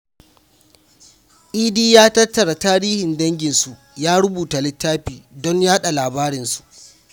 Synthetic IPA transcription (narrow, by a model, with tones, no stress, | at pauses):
ʔiː˦diː˦jaː˦tɐ˦tːɐ˨ɽa˨taː˦ɾiː˦hɪ˨ndɐ˦ŋɡʲɪ˨nsu˨ʔjaː˦ɽʊ˦buː˨ta˨lɪ˦tːaː˦ɸiː˨dɔ˦ɲjaː˦ɗa˨laː˨baː˦ɾɪ˨nsu̥˨ʔ